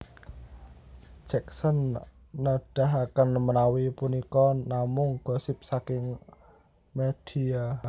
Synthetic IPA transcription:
d͡ʒ̥ɛk̚sənː | aɖ̥a̤ɦakanməɾawipunikɔnamʊŋɡ̥ɔ̤sɪp̚sakɪŋ | med̥ia

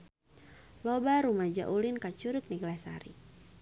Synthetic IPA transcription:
lobaɾumad͡ʒa̰ʔulinkat͡ʃuɾʊk̚niɡlasa̰ɾḭ

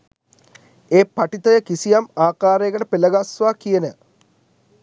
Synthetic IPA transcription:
eːpɐʈit̪ɐjəkisijamaːkaːɾeːɡɐʈəpeləɡasʋaːkijenə

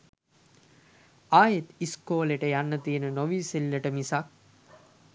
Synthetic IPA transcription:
aːjet̪iskoːleʈəjanːət̪iːnənoʋiːselːəʈəmisak̚

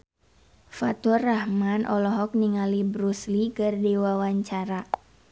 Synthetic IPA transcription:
fat̪ɔrahmanʔɔ̰lɔɦɔk̚niŋalibɾuslikɨrdiwawaɲt͡ʃaɾa

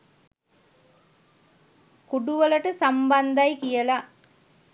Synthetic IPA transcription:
kuɖuʋələʈəsamband̪ajkijəla

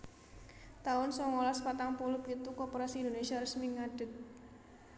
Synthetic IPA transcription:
t̪aʊnsɔŋolaspat̪aŋpulʊp̚ɡit̪ukɔpoɾasiindonesiaɾəsmiŋaɖ̥ɪt̪̚

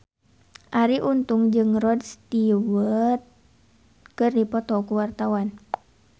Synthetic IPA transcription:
ʔaɾiʔunt̪uŋd͡ʒɨŋrɔdst̪iwət̪̚ | kɨrdipɔt̪ɔkuwart̪awan

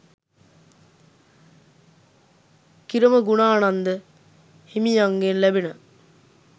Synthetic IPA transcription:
kiɾəməɡunaːnand̪ə | himijaŋɡenlæbinə

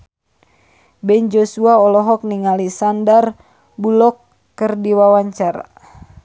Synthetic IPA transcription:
bɛnd͡ʒosuaɔlɔɦɔk̚niŋalisandar | bulɔkː | ərdiwawaɲt͡ʃara̰

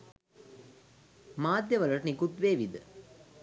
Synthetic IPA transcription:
maːd̪jəʋələʈənikut̪ʋeːʋid̪ə

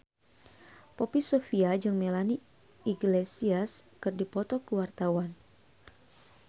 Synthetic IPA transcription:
popisofiad͡ʒɨŋmelani | iɡlesiaskɨrdipɔt̪ɔkuwart̪awan

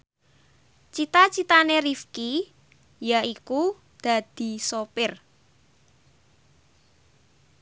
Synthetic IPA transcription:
t͡ʃit̪at͡ʃit̪anerifki | jaiku | d̪̥a̤d̪̥i̤sopɪr

